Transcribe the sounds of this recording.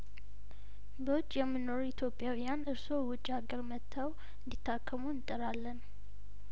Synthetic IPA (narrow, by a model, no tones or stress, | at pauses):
bəwʊt͡ʃʼːjɛmːɨno̞ɾuit̪ʰjo̞pʼjawijanɨɾso̞wʊt͡ʃʼːaɡəɾmət̪ʰːaw | ɨnd̪it̪ʰːakʰːəmunt̪ʼɨɾalːən